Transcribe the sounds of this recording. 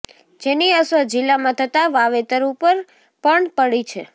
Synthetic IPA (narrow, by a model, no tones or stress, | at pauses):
d͡ʒeniəsəd͡ʒɪlːamãt̪ʰət̪aʋaʋet̪əɾupəɾ | pəɳpəɽit͡ʃʰe